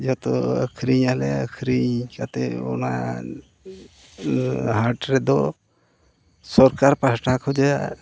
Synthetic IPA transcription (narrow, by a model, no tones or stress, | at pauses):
d͡ʒɔt̪ɔə̰kʰɾiɲalɛə̰kʰɾikat̪ɛɔ̰na̰ | ɦaɾʈɾɛd̪ɔ | sɔɾkaɾpasʈʰakʰɔd͡ʒaja